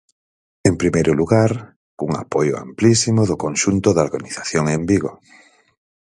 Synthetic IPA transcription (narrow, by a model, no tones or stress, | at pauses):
empɾimejɾʊluɣaɾ | uŋa̰pojʊa̰mplisimʊðʊkonʃunt̪ʊðoɾɣaniθaθjoŋembiɣo̰